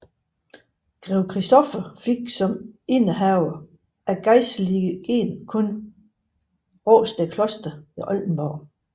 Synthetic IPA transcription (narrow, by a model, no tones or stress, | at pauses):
ɡ̥ʁɛʊkʰʁisd̥ɔfɐfeɡ̥sɒ̽menəɦæʊɐ | ʔæɡ̥ɑɪsliɡ̥ḛnkʰɔ̽n | ʁɔːsd̥əkʰlɔ̽sd̥ɐiʔɒ̽ld̥n̩b̥ɒʊ̰